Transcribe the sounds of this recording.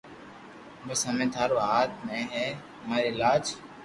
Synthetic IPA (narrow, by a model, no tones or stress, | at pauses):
məsəmẽːt̪ʰaːɾoːɦaːt̪̚mẽːɦeː | maːɪlaːd͡ʒ